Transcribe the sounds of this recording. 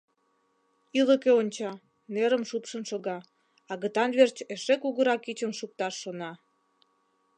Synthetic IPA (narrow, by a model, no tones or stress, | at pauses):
iləkeonʲt͡ɕɑ | neɾəmʃupʃənʃoɣɑ | ɑɣət̪ɑnβert͡ɕeʃekuɣəɾɑkit͡ɕənʃuk̚t̪ɑʃːonɑ